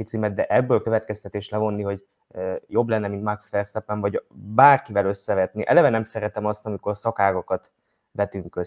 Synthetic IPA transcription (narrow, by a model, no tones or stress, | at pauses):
it̪siːmɛd̪̚d̪ɛʔɛbːøːlkø̞vɛt̪kɛst̪ɛt̪eːʃlɛvo̞nːiɦo̞ɟ | jo̞blɛnːɛmint̪maksfɛrst̪ɛpːɛɱvɒɟbaːrkivɛlø̞sːɛvɛt̪niʔɛ̰lɛvɛnɛmsɛɾɛt̪ɛmɒst̪ɒmiko̞rsɒkaːɡɒkɒt̪ | vɛt̪yŋkø